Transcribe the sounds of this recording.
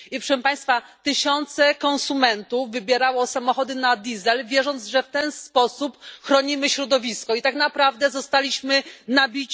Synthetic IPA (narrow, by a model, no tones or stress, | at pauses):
ipʂɛʂɛmpaj̃st̪fat̪ɘɕɔnt̪sɛkɔ̃ñsumɛnt̪uvːɘbʲjɛɾawɔsamɔxɔd̪ɘnad̪ʲizɛlvʲjɛʐɔnd̪ʐɛft̪ɛnspɔsupxɾɔɲimɘɕɾɔd̪ɔvʲiskɔit̪aknapɾavd̪ɛzɔst̪alʲiɕmɘnabʲit͡ɕ